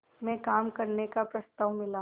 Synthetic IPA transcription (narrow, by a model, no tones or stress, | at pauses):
mɛ̃kaːmkɐɾnekapɾɐst̪aʋmɪla